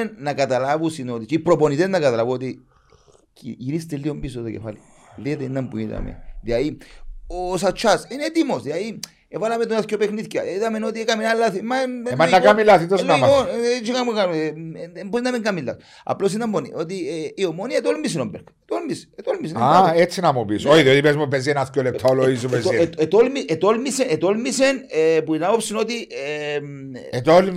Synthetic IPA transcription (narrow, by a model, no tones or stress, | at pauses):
ennakat̪alaβusinot̪it͡ʃipɾop̬onit̪enakat̪alaβut̪i | kʰḭiɾist̪eliombisoðḛkḛfa̰lḭ | let̪enampṵɲit̪a̰mḛd̪eaiosat͡ʃasenet̪imosd̪eai | efalamet̪unaskjopeknit̪kia̰et̪amenot̪iekaminalaθmamanaamilasit̪osnamont͡ʃiŋaa | puind̪ameŋkamila̰s | ɐ̰plos̬inambonḭot̪iːomoniaet̪olmis̬inombeɾket̪olmiset̪olmisenaet͡sːinamupisoiðiot̪ipezmupezenaθkolept̪ʰaoloizopezeet̪olmiʔet̪olmisenet̪olmisenepuinapopsino̞t̪ie | et̪ol